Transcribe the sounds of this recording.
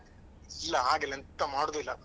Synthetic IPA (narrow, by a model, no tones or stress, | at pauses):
ilːɐɦaːɡelːɐnt̪ːɐmaːɽod̪uilːɐ